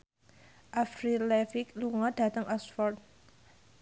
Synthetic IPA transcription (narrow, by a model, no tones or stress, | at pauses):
ʔafɾilɛfikluŋɔd̥a̤t̪əŋʔɔsfɔrt̪̚